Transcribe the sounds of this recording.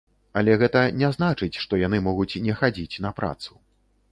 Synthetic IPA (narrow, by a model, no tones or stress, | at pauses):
ɐlʲɛɣɛt̪ɐnʲɛznat͡ʂɨt͡sʲʂt̪ɔjan̪ɨmɔɣut͡sʲnʲɛxad͡zʲit͡sʲn̪ɐpɾa̰t̪su̥